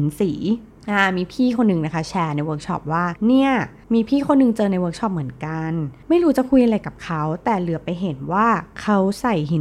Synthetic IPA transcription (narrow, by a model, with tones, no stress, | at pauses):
nsiː˩˦ | ʔaː˧˩miː˧pʰiː˥˩kʰo˧nːɯ˨˩ŋna˦˥kʰa˦˥˩t͡ɕʰɛː˧na˧jwɤː˦˥k̚t͡ɕʰɔ̰˦˥p̚waː˥˩ni˥˩ɐ | miː˧pʰiː˥˩kʰo˧nːɯ˨˧ŋt͡ɕɤː˧na˧jwɤː˦˥k̚t͡ɕʰɔ˦˥˩p̚mɯ˩˦ənka˧nma˥˩jɾuː˦˥t͡ɕa˨˩kʰu˧jʔa˧ɾa˧jka˨˩p̚kʰa˦˥wt̪ɛː˨˩lɯ˨˩˦pa˧jɦe˩˦nwaː˥˩kʰa˦˥wsa˨˩jɦi˨˩˦